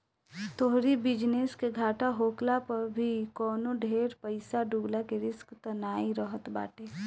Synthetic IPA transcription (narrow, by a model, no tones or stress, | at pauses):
t̪oɦɾibɪd͡ʒneskeɡʱaːʈaɦoːklapɐɾbʱikɔːnoɖʱeːɾpəɪsaɖuɡlakeɾɪskt̪ənaːiɾəɦət̪ba̰ːʈeː